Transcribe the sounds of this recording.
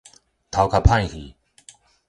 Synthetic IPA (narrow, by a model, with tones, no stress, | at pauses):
t̪ʰa˨wkʰa˨˩pʰã˥˧jhḭ˨